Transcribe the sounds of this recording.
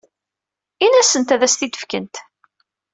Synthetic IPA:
inæsənt̪æðæst̪id̪ə̥fkənt̪

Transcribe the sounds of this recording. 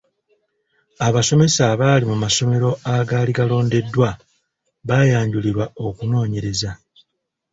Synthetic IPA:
aβaso̞me̞saβaːlimumaso̞me̞ɾo̞aɡaliɡalo̞ːnde̞dːwa | βajaːɲɟuliɾwao̞kuno̞ːɲe̞ɾe̞za

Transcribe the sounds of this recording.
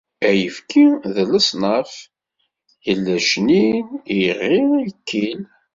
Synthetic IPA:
æjəfkʰiðələsˤnəf | jəlːæʃniniʁːiikʰːil

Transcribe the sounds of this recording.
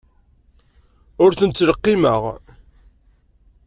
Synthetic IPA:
ʊɾθənət͡sːləqːimə̰ʁ

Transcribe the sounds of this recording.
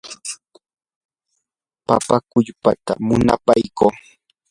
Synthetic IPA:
papakʊʎpat̪a̰mʊna̰pajkoː

